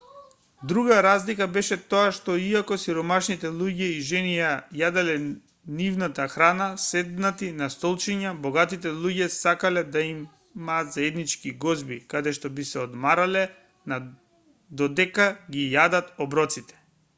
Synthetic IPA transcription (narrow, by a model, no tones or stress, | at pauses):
d̪ɾuɡaɾazlikabɛʃɛt̪oaʃt̪ɔiakɔsiɾɔmaʃnit̪ɛlˠuɟɛiʒɛnijajad̪ɛlɛ | nivnat̪axɾanasɛd̪nat̪inast̪ɔlˠt͡ʃiɲabɔɡat̪it̪ɛlˠuɟɛsakalɛd̪aim | mːaːt̪zaɛd̪nit͡ʃkiɡɔzbikad̪ɛʃt̪ɔbisɛɔd̪maɾalɛ | na | d̪ɔd̪ɛkaɡijad̪at̪ɔbɾɔt̪sit̪ɛ̥